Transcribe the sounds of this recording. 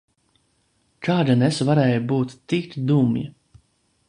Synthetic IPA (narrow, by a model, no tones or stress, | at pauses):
kaːd̪anesvaɾɛːjubuːt̪ːikt̪d̪umjḭ